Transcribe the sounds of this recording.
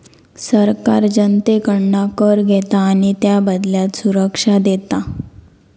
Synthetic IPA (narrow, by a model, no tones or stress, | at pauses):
səɾkaɾd͡ʑənt̪ekəɳɳakəɾɡʱet̪aːɽ̃it̪jabəd̪ljat̪suɾəkʂad̪et̪a